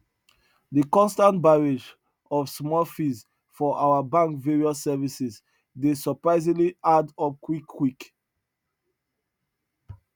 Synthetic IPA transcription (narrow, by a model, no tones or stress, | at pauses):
dəkɔ̃nstãntbaɹed͡ʒ | ɔvsmɔlfiz | fɔʔaʊəbãŋkveɹiɔssɛvisɛz | desəpɹaɪzĩɡliadɔp̚kʰwikʰːwik